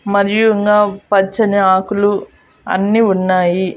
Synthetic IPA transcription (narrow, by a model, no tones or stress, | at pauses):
mɐɾijuiŋɡaːpɐt͡ʃːɐniaːkulu | ɐ̰nːiːunːaːji